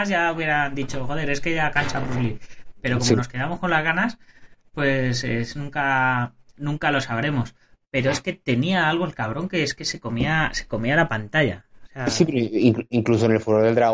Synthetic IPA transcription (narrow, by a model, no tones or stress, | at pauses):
zʝauβje̞ɾand̪it͡ʃo̞xo̞ðe̞ɾe̞ske̞ʝakansaβɾuzlipe̞ɾo̞ko̞ono̞ske̞ðamo̞sko̞nlazɣanaspwe̞sḛsnũŋka | nũŋkalo̞saβ̞ɾe̞mo̞s | pe̞ɾo̞e̞ske̞t̪e̞niaalɣ̞oe̞lkaβ̞ɾo̞ŋke̞eske̞se̞ko̞miase̞̥ko̞mialapant̪aʎa̰seasipeiŋiŋklus̬onelfuɾoɾðeld̪ɾa